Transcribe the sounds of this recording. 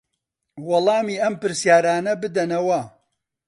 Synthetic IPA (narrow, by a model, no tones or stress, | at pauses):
wɐlˠɑːmiːɐmpɨɾsjaːɾaːnɐbɨd̪ɐnɐwɐ